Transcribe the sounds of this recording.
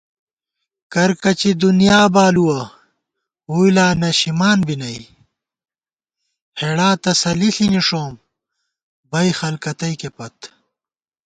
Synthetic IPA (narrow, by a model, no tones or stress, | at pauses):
kɐɾkɐt͡ɕid̪unijaːbaːluwɐ | ujlaːnɐɕimaːnbinɐj | heɽaːt̪ɐsɐliɬiniʂoːm | bɐjxɐlkɐt̪ɐjkepɐt̪